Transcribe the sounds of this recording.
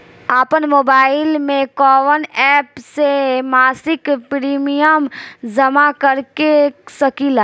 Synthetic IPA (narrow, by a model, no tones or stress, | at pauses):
aːpənmoːbaːɪlmẽkɔːʋənɛːpsemaːsɪkpɾiːmijəmzɐmakɐɾkesɐkiːlaː